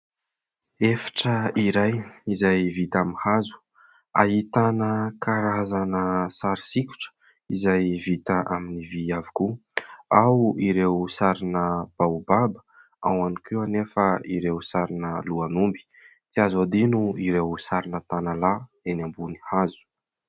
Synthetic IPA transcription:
efḁʈ͡ʂəiɾajizajvit̪amihazu̥ | a̰ɦit̪anəkʰaɾazanəsaɾisikʲu̥ʈ͡ʂə̥ | izajvit̪əʔaminiviavikuawiɾewsaɾinəb̥aubabə̥ | a̰wanikʰeanefəiɾewsaɾinəluanumbi̥ | t͡siazad̪inuiɾewsaɾinət̪anala | enambunihazu̥

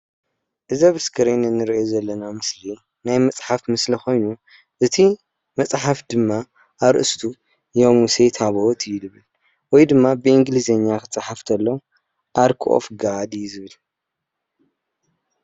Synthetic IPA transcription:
ʔɨzɐβɨskʰɐɾenɨnːɨɾiʔozɐlːɐnamɨsli | najmɐt͡sʼħafmɨslixo̞jnu | ʔɨt̪ʰi | mɐt͡sʼħafd̪ɨmːa | ʔːɾɨʔɨst̪ʰu | jomuset̪ʰaβot̪ʰɨjlɨβɨl | wɔjd̪ɨmːabɨʔɨŋɡlizɐɲːakʰɨt͡sʼaħaft̪ʰɐlːɐw | ʔaɾkʰʔo̰fɡad̪izɨβɨl

